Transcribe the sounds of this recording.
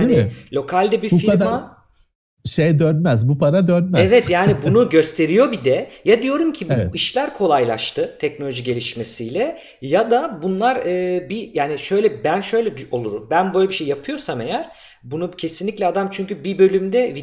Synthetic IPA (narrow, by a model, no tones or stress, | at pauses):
anilʲo̞kʰalʲd̪ɛbifiɾma | ʃejd̪ønmæzbupaɾad̪ønmæɛvɛt̪jaːnibunuɟø̞st̪ʰe̞ɾijo̞bid̪ɛjad̪ijo̞ɾumcʰibuɛiʃlʲæɾkʰo̞lˠajlˠa̰ʃt̪ɯt̪ʰɛcno̞lʲo̞ʒiɟe̞lʲiʃme̞sijlʲɛ | jad̪abunlˠaɾɯːbijaːniʃø̞jlʲɛbænʃø̞jlʲɛd̪o̞lˠuɾumbænbø̞jlʲebiʃejːapʰɯjo̞same̞jæɾ̥ | bunucʰe̞sinlʲiclʲɛad̪amt͡ʃʰyɲcybibø̞lʲymd̪ɛvi